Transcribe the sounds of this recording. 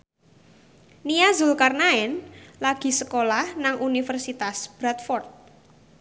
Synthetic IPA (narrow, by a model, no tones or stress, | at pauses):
niazulkarnaɛnlaɡ̥i̤səkolahnaŋʔunifərsit̪asb̥ɾat̪fɔrt̪̚